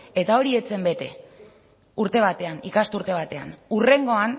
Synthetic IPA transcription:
e̞t̪ao̞ɾie̞t͡se̞mbe̞t̪e̞̰ | uɾt̪e̞β̞at̪e̞anḭkast̪uɾt̪e̞β̞at̪e̞a̰nure̞ŋɡo̞an

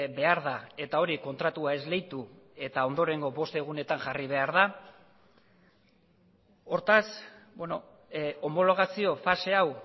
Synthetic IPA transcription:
be̞aɾðae̞t̪ao̞ɾiko̞nt̪ɾat̪uae̞zle̞jt̪u | e̞t̪ao̞nd̪o̞ɾe̞ŋɡo̞βo̞st̪e̞ɣ̞une̞t̪aŋʝariβ̞e̞aɾð̞a | o̞ɾt̪asbeno̞ | o̞mo̞lo̞ɣ̞asio̞fase̞aw

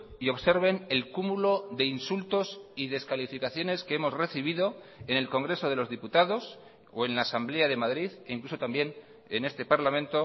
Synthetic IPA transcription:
io̞βseɾβ̞e̞ne̞lkumulo̞ðe̞insult̪o̞siðe̞skalifikaθjo̞ne̞skeemo̞zre̞θiβ̞iðo̞ | ene̞lko̞ŋɡɾe̞so̞ð̞e̞lo̞zðiput̪aðo̞s | o̞e̞nlaːsamble̞aðe̞maðɾiðeiŋkluso̞t̪ambje̞n | ene̞st̪e̞paɾlamẽ̞nt̪o̞

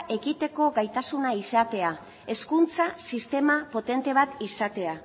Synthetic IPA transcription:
ʔe̞kit̪e̞ko̞ɡajt̪asunaisat̪e̞a | e̞skunt͡sasist̪e̞mapo̞t̪e̞nt̪e̞β̞at̪isat̪e̞a

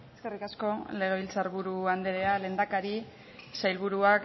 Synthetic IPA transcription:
eske̞rikasko̞le̞ɣ̞e̞β̞ilt͡saɾβuɾuand̪eɾe̞ale̞ːnd̪akaɾi | sajlβuɾuak

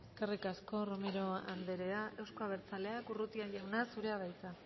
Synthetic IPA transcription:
eskarikasko̞ro̞meɾo̞a̰nd̪e̞ɾe̞aʔe̞wsko̞aβ̞e̞ɾt͡sale̞akurut̪iaʝawnasuɾe̞aβajt͡s̪a

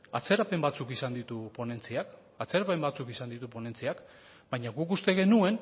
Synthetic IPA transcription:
at͡se̞ɾape̞mbat͡sukisand̪it̪upo̞ne̞nt͡siak | at͡se̞ɾape̞mbat͡sukisand̪it̪upo̞ne̞nt͡siak | bajɲaɣukust̪e̞ɣe̞nue̞n

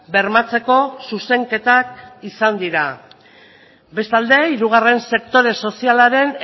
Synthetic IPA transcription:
be̞rmat͡se̞ko̞suse̞ŋke̞t̪ak̚isand̪iɾa | be̞st̪ald̪e̞iɾuɣare̞nse̞kt̪o̞ɾe̞so̞sialaɾe̞n

